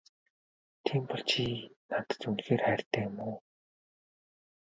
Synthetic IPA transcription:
t̪ʰiːmpɔɮt͡ɕʰinat̪ə̥̆t͡sunxeːrχæːr̥t̪æːmoː

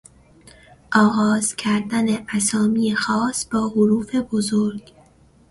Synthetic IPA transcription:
ʔɒːɣɒːz̥cʰæɾd̪æneʔæsɒːmijexɒːsb̥ɒːhoɾuːfe̞bozoɾɡ̥

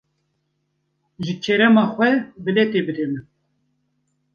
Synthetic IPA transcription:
ʒɨt͡ʃʰeɾɛmɑːxʷɛbɨlɛt̪ebɨd̪emɨ

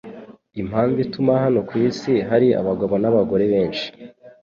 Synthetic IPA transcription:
im̥haːnzitumaɦano̞kwiːsiɦaɾia̰βaɡoβonaβaɡo̞ɾe̞βe̞ːnʃi̥

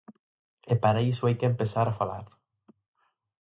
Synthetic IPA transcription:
epaɾaisoajkempesaɾafala̰ɾ

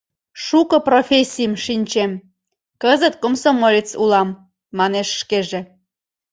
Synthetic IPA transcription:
ʃukɤprofʲesʲijmʃinʲt͡ɕem | kəzət̪komsomolʲit͡sulɑmː | ɑneʃʃkeʒe

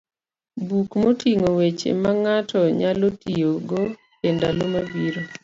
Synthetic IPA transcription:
bukmotiŋowet͡ʃḛmaŋatʰɔɲalotioɡo | kendalomabiɾo

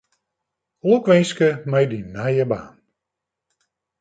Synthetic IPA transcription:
okʋɛnskəmɛjdinɛjəba̰ːn

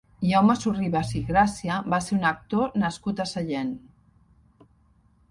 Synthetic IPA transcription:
jawmasuriβasiɣɾasiaβaseɾunək̚t̪onəskut̪əsaʎen

